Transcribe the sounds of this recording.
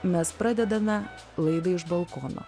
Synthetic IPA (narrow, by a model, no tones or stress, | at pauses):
mʲɛspɾɑd̪ʲɛd̪ɐmʲɛ | lˠɐɪd̪ɐɪʃbɐlˠkono̰